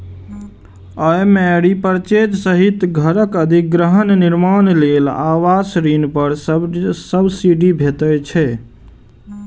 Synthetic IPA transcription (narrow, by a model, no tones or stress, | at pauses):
əjmɛɽipəɾt͡ʃed͡ʒ̪səɦit̪ɡʱəɾəkəd̪ʱiɡɾəɦənniɾmanlelawasɾinpəɾsəbsiɖibʱet̪ət͡ʃʰɛ